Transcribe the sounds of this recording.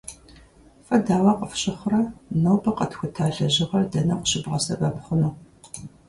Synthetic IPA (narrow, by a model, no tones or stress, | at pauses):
fɐdaːwɐqəfɕʼɪχʷrɐnɐwpʰɐqɐtxʷʊtʰaːɮɐʑɪʁɐrdɐnɐqʷɕɪbʁɐsɐbɐpχʷʊnuː